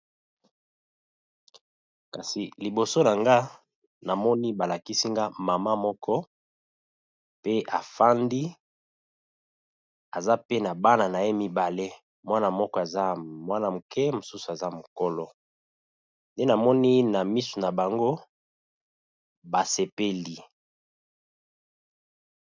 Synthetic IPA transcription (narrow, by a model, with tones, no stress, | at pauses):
ka˨si˨li˨bo˨so˦na˨ŋɡa˦ | na˨mɔ˦ni˦ba˨la˨ki˦si˦ŋɡa˦ma˨ma˦mɔ˦kʰɔ˦ | pe˦ʔa˨fa˦ndi˦ | a˨za˦pe˦na˨ba˦na˨na˨je˦mi˦ba˨le˦ | mwa˦na˨mɔ˦kɔ˦˨e˨za˦mwa˦na˨mu˨kɛ˦mo˨su˦su˨a˨za˦mo˨ko˦lɔ˦ | nde˦na˨mɔ˦ni˦na˨mi˦su˨na˨ba˨ŋɡo˦ | ba˨se˨pe˦li˨